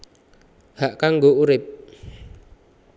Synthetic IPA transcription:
haʔkaŋɡouɾɪp̚

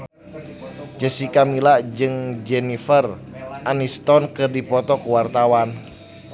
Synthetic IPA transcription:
d͡ʒəsikamilaʔd͡ʒɨŋd͡ʒɛnifər | ʔanist̪ɔnkɨrdipɔt̪ɔkuwart̪awan

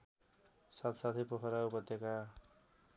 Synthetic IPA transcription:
sat̪sat̪ʰipoɦʌɾaupʌt̪ːeka

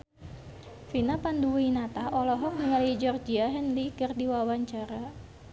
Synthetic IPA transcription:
finapanduwinat̪aʔɔlɔɦɔŋnəŋaluid͡ʒɔrd͡ʒiaɦɛnlikərdiwawaɲt͡ʃaɾa

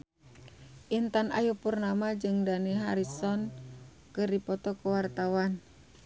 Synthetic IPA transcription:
ʔint̪anʔa̰jupurnamad͡ʒɨŋdaniɦa̰ɾisɔn | kɨrdipɔt̪ɔkuwart̪awan

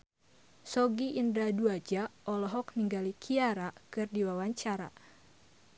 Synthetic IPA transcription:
sɔɡiʔːndaduad͡ʒaɔlɔɦɔk̚niŋɡalikʰiaɾakɨrdiwawaɲt͡ʃaɾa̰

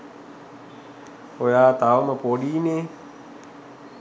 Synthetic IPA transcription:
ojaːt̪aʋəməpoːɗiːneː

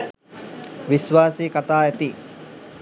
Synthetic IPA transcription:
ʋisʋaːsiːkat̪aːæt̪i

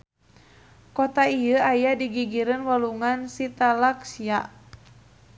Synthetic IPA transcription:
kɔt̪aiəajadiɡiɡiɾənwaluŋansit̪alaksiaʔ

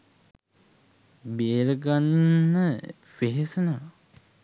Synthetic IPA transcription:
beːɾəɡanːə | feɦesəna

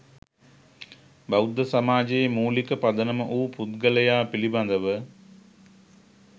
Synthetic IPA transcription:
bɐwd̪ːəsamaːd͡ʒejmuːlikəpad̪ənəməʔuːput̪̚ɡələjaːpiliband̪əʋə

